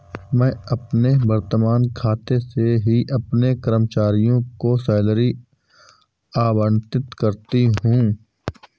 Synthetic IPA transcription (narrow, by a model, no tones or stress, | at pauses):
mɛ̃ːɐpnebəɾt̪əmaːnkʰaːt̪eseɦiʔɐpnekəɾəmt͡ʃaːɾijõkosɛːləɾi | aːbənt̪ɪt̪kɐɾt̪iɦũ